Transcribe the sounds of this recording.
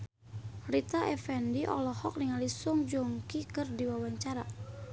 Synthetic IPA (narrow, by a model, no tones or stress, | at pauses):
rit̪aʔɛfɛndiʔɔ̰lɔhɔk̚niŋalisuŋd͡ʒɔŋkikɨrdiwawaɲt͡ʃaɾa